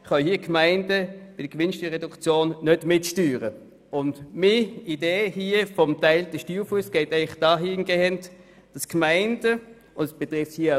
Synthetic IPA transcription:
χɑhiːəkmaɪnd̥əb̥ɪd̥əɡ̥ʋɪnʃtyːɐʁɛdʊkt͡sjoːnːœd̥mɪtʃtyːʁə | ʊndmiideːhiːəfɔmtaɪld̥əʃtyːfuəsɡ̥ɛɪtɛɪχd̥ɑːɦinɡ̥ehɛnt | d̥ɑskmaɪnd̥ə | ʊndsb̥ɛtʁɪfthiːə

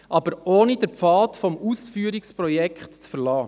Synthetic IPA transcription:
ʔɑb̥əɾoːnid̥əɾpfɑːtfɔmusfyːɾikspɾɔjɛkχtt͡sfəɾlɑː

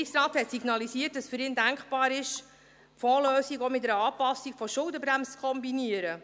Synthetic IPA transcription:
iksrɑːt̪hɛtsiɡnɑlisiət̚d̥ɑsfyɾɪːndæŋkχb̥ɑːɾɪʃ | fɔːløːsiɡomɪtɛɾəɑːpɑsːikfɔʃʊlˠdəbɾæmst͡skʰɔmbiniəɾə

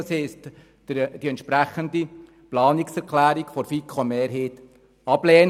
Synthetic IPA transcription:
ɑshɛɪst | d̥iɛnt̪ʃpɾæχənd̪i | plɑːniksɛɾkʰlæːɾikfɔɾfikʰχomeːɾɦeːt̪ | ɑb̥lɛːn

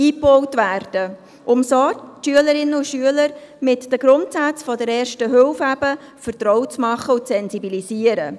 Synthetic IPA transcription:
iːpɔwtvæːɾd̥ə | ʔʊmsoʃyələɾɪnːəʊʃyələɾmɪtd̥əɡ̥ɾʊntsæt͡sfɔdəɾɛːrʃtəɦʏlfæbə | fəɾtɾɔwt͡smɑχːəʊtt͡sɛnsibilisiːəɾə

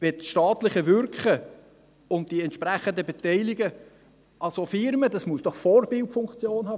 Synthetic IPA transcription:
vɛtʃtɑːtlɪχəvʏɾkχə | ʊnt̚d̥iɛntʃpɾæχəndəbɛtɛɪlɪɡə | ʔɑsofɪɾməd̥ɑsmuəsd̥ɔχfɔrbɪltfʊŋkt͡sjoːnhɑː

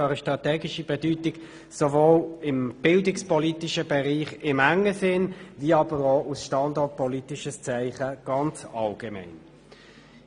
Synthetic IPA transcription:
ʁəʃtʁɑtɛːɡɪʃib̥ɛdytɪɡ | sovoːlɪmb̥ɪldɪkspɔlitɪʃəbɛʁiːχɪmæŋːəsɪnviːɑb̥əʁoːʔusʃtɑndɔt̚pʰɔlitɪʃəst͡sæɪχəɡ̥ɑnt͡sɑlɡ̥emæ̰ɪn

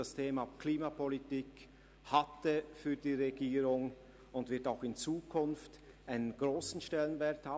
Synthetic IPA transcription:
astʰeːmakʰliːmapʰɔlitiːk | hatəfyːɐdiːʁeɡiːɾʊŋ | ʊndvɪɐtaʊxɪnt͡suːkʰʊnft | ʔaɪnənɡʁoːsn̩ʃtɛlənvɛɐthaː

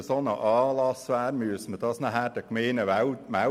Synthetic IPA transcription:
əsonəʔɑːlɑsʋæːɾmyəsməd̥̪ɑːsnəɦæːd̥ɑkmeːnəʋæwmæ

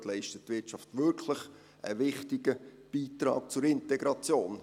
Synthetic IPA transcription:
lɛɪʃtətːʋɪt͡ʃɑftʋʏɾkʰləχ | ə̰ʋɪχtɪɡəb̥iːtɾɑ̰ːk̚t͡sʊɾɪntɛɡɾɑt͡sjoːn

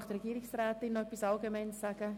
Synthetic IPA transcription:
χtrɛɡiːɾɪksraːtɪnːɔɛpisɑlɡemɛɪnsaɡ̥ə

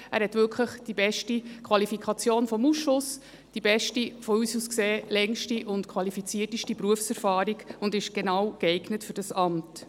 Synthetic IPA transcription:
æ̰ːɾhɛtʋʏlkʰləχd̥ibɛʃtikʰʋɑlifikʰɑt͡sjoːnfɔmusʃʊs | d̥ibɛʃtifɔyːsuskseːlɛŋʃtiʔʊntkʰʋɑlifit͡siətiʃtipɾuəfsɛɾfɑːɾiɡʊndɪʃɡ̥enɑwɡɛɪɡ̥nətfʏɾdɑsɑmt

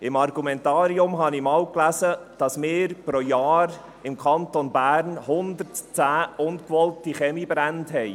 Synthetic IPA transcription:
ɪmɑɾɡumɛntɑːɾiʊmɦɑnɪmɑːwklæsəd̥ɑsmɪːɾpɾojɑːɾ | ɪmkʰɑntonbæːɾnhʊnd̪əɾtt͡sæːʊnkʋɔltiχɛmibɾæntɦɛj

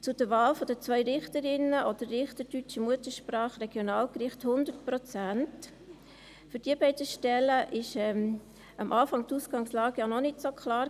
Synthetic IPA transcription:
t͡sʊd̥əɾʋaːlfɔd̥ət͡sʋœʏɾɪχtəɾɪnəʔod̥əɾːɪχtədyt͡ʃəmuətəʃprɑːχrɛɡ̥jonaːlkrɪχthʊnd̪əɾtpɾɔt͡sænt | fʏɾd̥iəbɛɪdəʃtɛləʔɪʃɛm | ɑmʔaːfɑŋtusɡ̥ɑŋslɑːɡ̥əjanɔnɪtsokʰχlɑːɾ

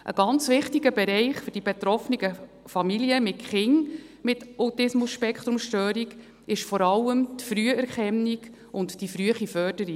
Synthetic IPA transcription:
ʔə̰ɡ̥ɑnt͡sʋɪχtiɡəbɛɾɛɪχfɵɾd̥ibɛt̪ɾɔfniɡə | fɑmiliəmɪtχɪŋmɪtatɪsmʊsʃpɛkχt̪ɾʊmʃtøːɾiɡ | ɪʃfɔɾɑlːəmtfɾyəɛɾχɛnːiɡ | ʊntd̥ifɾyəχifœːd̥əɾi

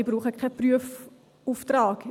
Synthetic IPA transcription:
bruːχəkʰapryəf | uːftraːk

